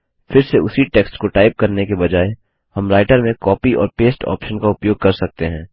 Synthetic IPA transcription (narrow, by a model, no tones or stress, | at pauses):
fɪɾseʊsiʈeːksʈkoʈaːɪp̚kɐɾnekebɐd͡ʒaːe | hɐmɾaːɪʈəɾmẽkɔːpiʔɔ̰ːɾpeːsʈɔ̰ːpʃənkaʊpjoːɡ̚kɐɾsɐk̚t̪eɦɛ̃ː